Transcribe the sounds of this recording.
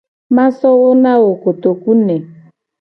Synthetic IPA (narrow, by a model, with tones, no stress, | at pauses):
mã˦sɔ˦wo˦nã˦wo˨ko˨t̪o˨ku˦nɛ˨